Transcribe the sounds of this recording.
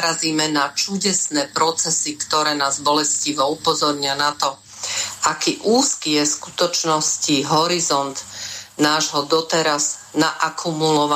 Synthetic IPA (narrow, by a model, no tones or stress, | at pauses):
ɾaziːmɛnat͡ʃuɟɛsnɛːpɾɔt͡sɛsikt̪ɔɾɛːnaːzbɔlɛsciʋɔupɔzɔɾɲɪanat̪ɔ | akiːʔuːskiːjɛsku̥t̪ɔt͡ʃnɔsciɦɔɾizɔnd̪naːʒɦɔd̪ɔt̪ɛɾaznaʔakʰumulɔʋa